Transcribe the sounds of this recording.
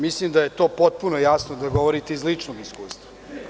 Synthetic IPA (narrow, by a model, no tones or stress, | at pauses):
mislimd̪aje̞t̪o̞ːpot̪̚punojasnod̪aɡo̞ʋoɾit̪eizlit͡ʂnoɡiskuːst̪ʋa